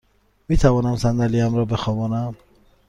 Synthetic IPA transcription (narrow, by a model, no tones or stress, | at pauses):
mit̪ʰavɔnamsand̪æliamɾɔbeχɔvɔnam